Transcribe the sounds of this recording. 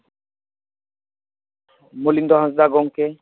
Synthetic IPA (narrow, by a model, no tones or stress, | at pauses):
molind̪ɔɦãnsd̪aɡɔŋke